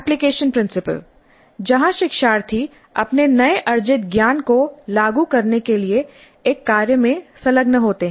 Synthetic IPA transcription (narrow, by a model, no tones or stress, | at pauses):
plɪkeːʃənpɾɪ̃nsɪpə̰l | d͡ʒɐɦãʃɪkʃaːɾt̪ʰi | ɐpnenɐeʔɐɾd͡ʒɪt̪̚ɡjaːnkolaːɡukɐɾnekelieː | kːaːɾjəmẽsɐləɡnɐɦoːt̪eɦɛ̃